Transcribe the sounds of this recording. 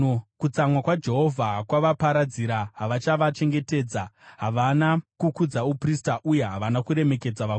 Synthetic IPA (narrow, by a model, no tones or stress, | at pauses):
kut͡samwakwad͡ʒe̞ɦo̞vʱakwaʋapaɾad͡ziɾaɦaʋat͡ʃaʋat͡ʃe̞ŋɡe̞te̞ːd͡zaɦaʋanakukud͡zaupristaʔuje̞ɦaʋanakuɾe̞me̞ke̞d͡zaʋa